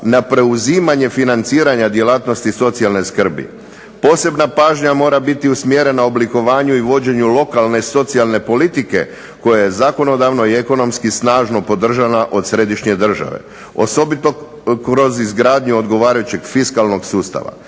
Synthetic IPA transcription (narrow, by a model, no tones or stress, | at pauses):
napɾe̞uziːmaɲe̞finant̪siːɾaɲad̪je̞laːt̪no̞st̪iso̞t̪sialne̞skr̩bḭ | po̞ːse̞bnapaːʒɲamo̞ːɾabit̪iusmjeɾenaobliko̞ʋaːɲuiʋo̞d͡ʑe̞ɲulo̞kalne̞so̞t̪sialˠne̞po̞lit̪ike̞̰ | ko̞jajezaːko̞no̞d̪aʋno̞ieko̞no̞mskisnaːʒno̞po̞d̪r̩ʒanaʔo̞d̪sɾe̞d̪iʃɲe̞d̪r̩ʒa̰ʋe̞̰ | o̞̰so̞bit̪o̞ | kɾo̞zizɡɾaːd̪ɲuod̪ɡo̞ʋaːɾajut͡ɕe̞ɡfiskalˠno̞ɡsuːst̪a̰ʋa̰